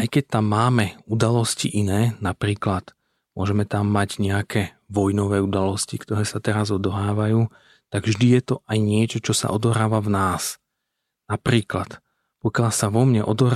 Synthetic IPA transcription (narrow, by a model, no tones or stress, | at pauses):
ʔajkɛc̚t̪amːaːmɛud̪alɔsciʔinɛːnapɾiːklat̪ | mʊɔʒɛmɛt̪amːaɟɲɛakʰɛː | ʋɔjnɔʋɛːud̪alɔscikt̪ɔɾɛːsat̪ɛɾazɔd̪ɔɦaːʋajuː | t̪aɡvʒd̪ijɛt̪ɔʔajɲɪɛt͡ʃɔt͡ʃɔsa̰ʔɔd̪ɔɦɾaːʋavnaːs | napɾiːklat̪ | pɔkɪalsaʋɔmɲɛʔɔd̪ɔɦ